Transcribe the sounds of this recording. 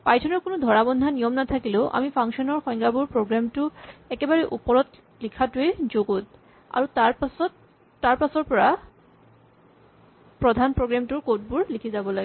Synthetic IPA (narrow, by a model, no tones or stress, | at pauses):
pajtʰɔnɔɹkonod̪ʱɔɹabɔnd̪ʱanijɔmnat̪ʰakileʔa̰mifʰaŋʃɔnɔɹxɔjŋɡabuɹpɹoɡɹamtuɛkebaɹeʔupɔɹɔt̪ | likʰatued͡ʑoɡot̪̚ | a̰ɹutasɔtː | aɹpasɔɹpɔɹa | pɹɔd̪ʱanpɹoɡɹamtuɹkot̚buɹlikʰizabɔlaɡe